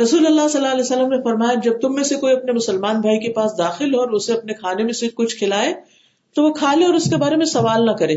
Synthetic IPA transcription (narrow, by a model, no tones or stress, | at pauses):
ɾɐsuːlɐlːasɐlːaɐlɛːsɐlːəmnefɐɾmaːjad͡ʒɐb̚t̪ʊmːẽsekoːiɐpnemʊsəlmaːnbʱaːikepaːsd̪aːxɪlɦoːɾʊseɐpnekʰaːnemẽsekʊt͡ʃʰkʰɪlaːe | t̪oʋokʰaːlẽɔːɾʊskebaːɾemẽsɐʋaːlnɐkɐɾẽː